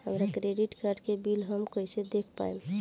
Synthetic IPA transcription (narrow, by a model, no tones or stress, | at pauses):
həmɾakɾeɖiʈkaɾɖkebilɦəmkəised̪ekʰpa̰em